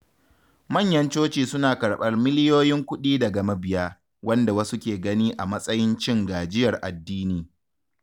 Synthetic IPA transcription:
mɐ˦˨ɲjɐ˦nt͡ʃoː˦t͡ʃiː˨sʊ˦naː˨kɐ˨ɽɓɐ˦rmɪ˦lɪ˦joː˦jɪ˦ŋkʷʊ˦ɗiː˦da˨ɡɐ˨mɐ˦bɪ˨ja˦ | wɐ˦nda˨wɐ˦su˦kʲeː˨ɡɐ˦niː˦ʔa˨mɐ˦sʼɐ˦jɪ˦nt͡ʃɪ˦ŋɡaː˨d͡ʒɪ˦jɐ˨rʔa̰˨dːiː˦niː˨

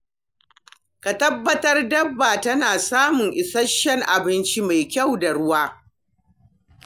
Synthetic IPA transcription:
ka˨tɐ˦bːɐ˦tɐ˦rdɐ˦bːa˨tɐ˦naː˨saː˦mʊ˨ŋʔɪ˨sɐ˦ʃːɛ˦ŋʔa˨bɪ˦nt͡ʃi˦ma˨jkʲa˦˨wda˨ɽʊ˦waː˦

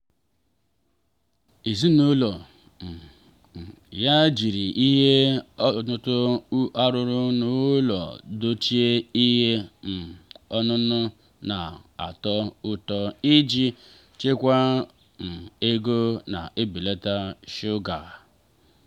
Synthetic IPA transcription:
i˨zi˦nu˦lɔ˨ | ja˦d͡ʒi˨ɾi˨ʔi˦ɦe˦tʊ˦tʊ˦a˦ɾʊ˦ɾʊ˦nʊː˦˨˦lɔ̰˨do˦t͡ʃi˦e˦i˦ɦe˦n̩˨ɔ˦nʊ˦nʊ˦ | na˨a̰˨tɔ˦ʊ˦tɔ˦i˦d͡ʒi˦ | t͡ʃe˦kʷa˦ | n̩˨e˦ɡo˦na̰˨ʔe˦bi˨le˦ta˦ʃʊ˦ɡa˨

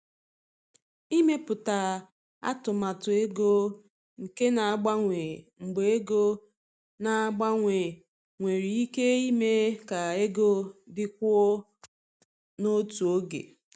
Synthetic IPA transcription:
i˦me˦pʊ˨ta˨ | a̰˦tʊ˨ma˨tʊ˨e˦ɡo˦ | ŋ̩˨ke˦na˨a˦˨ɡ͡ba˦ŋʷe˨ŋ͡m̩˨ɡ͡be˨e˦ɡo˦ | na˨a˦ɡ͡ba˦ŋʷe˨ | ŋʷe˨ɾi˨i˦ke˦i˦me˦ka˨e˦ɡo˦dɪ˦k̚ʷu˦o˦ | no˦tu˨o˦ɡḛ˨

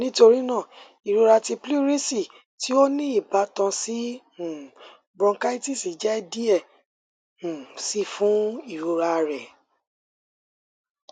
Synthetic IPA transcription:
nĩ˦to˧ɾi˦nã˦˨ | i˨ɾo˧ɾa˧ti˧pli˦ɾĩ˦si˦˨ | ti˦o˦nĩ˦i˦˨ba˨˦tã˧sĩ˦˨ | bɔ̃˧ŋ̩˦ka˦i˦ti˦˨si˨d͡ʒɛ˦di˦ɛ̃˦˨ | si˦fũ˦i˦˨ɾo˧ɾa˧ɾɛ˨

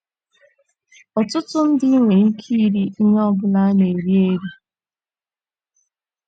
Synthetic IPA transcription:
ɔ˨tʊ˦tʊ˦n̩˦di˦i˦ŋʷe˨i˦kʰi˦ɾi˦i˦ɲ˦ɔ˦bʊ˦na˦ne˨ɾi˦e˦ɾi˦

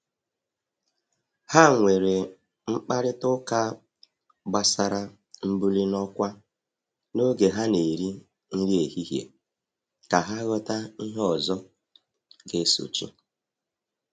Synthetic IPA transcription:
ha˦ŋʷe˨ɾe˨ | ŋ͡m̩˦k͡pa˦ɾɪ˦tʊ˦ka˦ | ɡ͡ba˨sa˨ɾa˦ | m̩˦bu˦li˦nɔ˦kʷa˦ | no˦ɡe˨ɦa˦ne˨ɾi˦ | n̩˦ɾi˦e˨hi˦ɦjḛ˨ | ka˨ɦa˦ɣɔ˦ta˦i˦ɦɔ˨zɔ˦ | ɡe˦so̰˨t͡ʃḭ˦

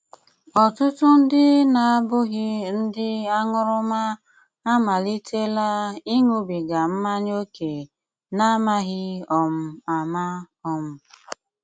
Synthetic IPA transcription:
ɔ˨tʊ˦tʊ˦n̩˦dɪ˦na˨a˦bʊ˦ɣɪ˦n̩˦dɪ˦a˦ŋʊ˦ɾʊ˦ma˦ | a˦ma˨li˦tʰe˦la˦i˦ŋu˦bi˨ɡa˨m̩˦ma˦ɲ˦o˦ke˨ | na˦ma˦ɣɪ˦ɔ˨m̩˦a˨ma˦ | ɔ˨m̩˦

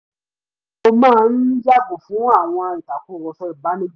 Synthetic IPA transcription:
o˧mãː˦n̩˦d͡ʒa˦bo˨fũ˨˦a˦˨w̃ɔ̃˧i˨ta˨ku˦˨ɾɔ˨fɛ˧˨ba˨˦nĩ˦

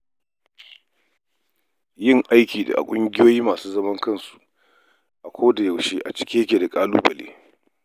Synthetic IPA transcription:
jɪ˦ŋʔa˦jkʲiː˨da̰˨ʔa̰˨kʷʼʊ˦ŋɡʲɪ˦joː˦jiː˦maː˨suː˦zɐ˦mɐ˦ŋkɐ˦˨nsu̥˨ | ʔa˨kʷʰoː˦da˨ja˨wʃeː˦ʔa˨t͡ʃɪ̥˦kʲeː˦kʲeː˨da˨kʼaː˦lṵː˦bɐ˨lḛː˦

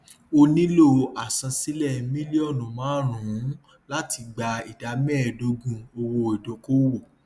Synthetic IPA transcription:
o˧nĩ˦lo˦˨a˨sã˧si˨˦lɛ˦˨mĩ˦li˦ɔ˦˨nũ˨mãː˨˦ɾ̃ũ˨ũ˨˦ | la˦ti˧ɡ͡ba˧i˨da˨˦mɛ̃˦˨do˧ɡũ˧o˧wo˧i˨dõ˨˦ko˦wo˦˨

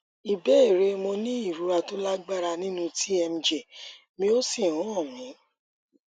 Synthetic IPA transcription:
i˨bɛ˨˦e˦˨ɾe˧mõ˧nĩ˦i˦˨ɾu˨˦ɾa˧to˦la˦ɡ͡ba˦ɾa˧nĩ˦nũ˧ti˦ɛ˧m̩̃˧d͡ʒɛ˨ | mĩ˧o˦si˦˨ɔ̃˨˦ɔ̃˦˨mĩ˨˦

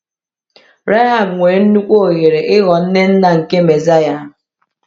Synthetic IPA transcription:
ɾe˦ɦa˨bŋʷe˨˦n̩˦nu˦kʷo˦o˨ɣe˨ɾe˨ʔɪ˦ɣɔ˨n̩˦ne˦n̩˦na˨ŋ̩˨ke˦me˨za˦ja˨

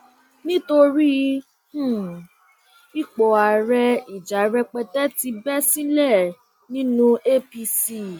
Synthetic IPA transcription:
nĩ˦to˧ɾi˦ | h̩˦˨ | i˦k͡pɔ˨a˨ɾɛ˧i˨d͡ʒa˨˦ɾɛ˧k͡pɛ˧tɛ˦ti˧bɛ˦sĩ˦lɛ˦˨ | nĩ˦nũ˦e˦pi˧si˦

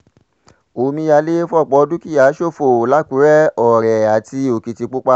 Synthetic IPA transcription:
o˨˦mĩ˧ja˧le˦fɔ˦˨k͡pɔ˧˦˧du˦ki˦˨ja˨˦ʃo˦˨fo˨la˨˦ku˨˦ɾɛ˦ɔ˨ɾɛ˨a˨ti˧o˨ki˨ti˧k͡pu˦k͡pa˦

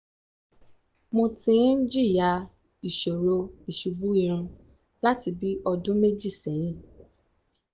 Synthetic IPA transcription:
mõ˧tĩ˧˦n̩˦d͡ʒi˦˨ja˧ | i˨ʃo˨ɾo˧i˨ʃu˨ɡ͡bu˦i˦˧˨ɾ̃ũ˧ | la˦ti˧bi˦ɔ˧dũ˦me˦d͡ʒi˦˨sɛ˨˦j̃ĩ˦˨

